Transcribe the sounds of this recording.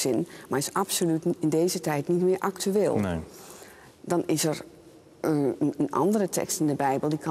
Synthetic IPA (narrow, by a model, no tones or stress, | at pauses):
sɪnmaɹɪsapsolytɪndeːzətɛjtnitmɪːɹʔaktyeːlˠ | dɔnɪsəɹ | ənənʔɑ̰ndərətʰɛ̰kstɪndəbɛjbəlˠdikʰɑ